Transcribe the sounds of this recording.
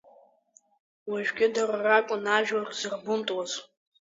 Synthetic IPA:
waʒᶣɡʲɪdararakʷʼʊnaʒᶣarzɨrbʊmtʼwaz

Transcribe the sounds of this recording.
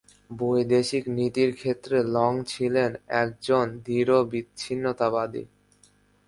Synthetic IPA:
bojd̪eʃiknit̪iɾkʰet̪ːɾelɔŋt͡ɕʰilenɛk̚d͡ʑond̪iɾobitːɕʰinːot̪abad̪ḭ

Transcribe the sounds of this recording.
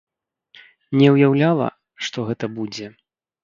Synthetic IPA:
nʲɛwjawlʲalˠɐ̰ | ʂt̪ɔɣɛt̪ɐbud͡zʲɛ

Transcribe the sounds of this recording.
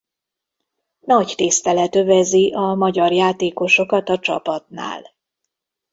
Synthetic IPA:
nɒɟt̪ist̪ɛlɛt̪ø̞vɛziʔɒmɒɟɒrjaːt̪eːko̞ʃo̞kɒt̪ɒt͡ʃɒ̰pɒt̪na̰ːl

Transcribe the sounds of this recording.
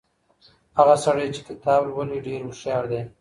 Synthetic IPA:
haɣasaɽajt͡ʃe̥kɪt̪ɑblwaleɖeɾmʊʃjɑɾd̪e

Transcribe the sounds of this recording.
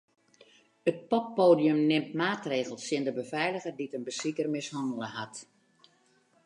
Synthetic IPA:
ət̚pɔpːoːdiømnɪmtmaːtreːɣəlˠsɪndəbəvɛjləɣərditənbəsikərmɪshɔndəlˠəhat

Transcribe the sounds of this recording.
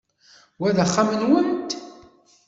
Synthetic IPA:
wæðæχːamənwənt̪

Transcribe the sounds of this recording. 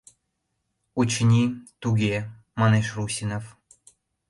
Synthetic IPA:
ut͡ɕnʲit̪uɣe | mɑneʃrusʲinof

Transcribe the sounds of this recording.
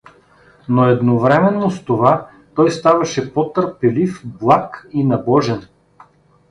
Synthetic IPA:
noɛd̪novɾɛmɛnːost̪ova | t̪ɔjst̪avɐʃɛpɔt̪əɾpɛlifblˠakinɐbɔʒɛn

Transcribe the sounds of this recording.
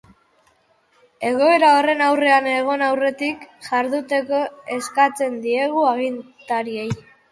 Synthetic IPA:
e̞ɣo̞e̞ɾao̞re̞nawre̞ane̞ɣ̞o̞nawre̞t̪ikʝaɾðut̪e̞ko̞e̞skat͡se̞nd̪ie̞ɣ̞uaɣint̪aɾie̞j

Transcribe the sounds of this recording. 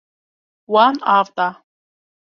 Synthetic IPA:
wanavt̪ʼa

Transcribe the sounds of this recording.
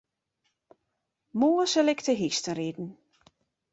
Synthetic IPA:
moəsəlɪktəɦistəridn̩

